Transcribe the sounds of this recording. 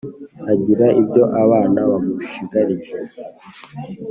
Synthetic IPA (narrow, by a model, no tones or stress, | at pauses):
aɟiɾaʔibɟo̞ʔaβaːnaβamuʃiɡaɾiʒe